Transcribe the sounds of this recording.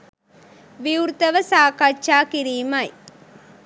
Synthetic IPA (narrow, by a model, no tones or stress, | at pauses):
ʋiuɾt̪ɐʋɐsaːkaːt͡ʃːaːkɪɾiːmaj